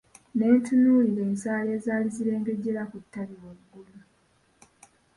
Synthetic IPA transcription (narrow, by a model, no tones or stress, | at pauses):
ne̞ːntʰunuːlile̞ːnsaːle̞ːzaːliziɾe̞ːŋɡe̞ɟe̞lakutːaɾiwouɡulu